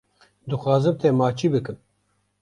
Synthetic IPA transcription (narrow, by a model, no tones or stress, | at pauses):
d̪ɨxɑːzɨb̚t̪ʰɛmaːt͡ʃʰiːbɨkɨm